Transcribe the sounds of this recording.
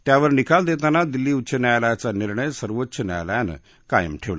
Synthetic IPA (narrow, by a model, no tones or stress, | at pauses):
t̪jaʋəɾnikald̪et̪anad̪ilːiːut̪ːɕʰənajljat͡saniɾɳəjsəɾʋotːɕʰəna̰jljanə̰ | kajə̰mʈʰeʋla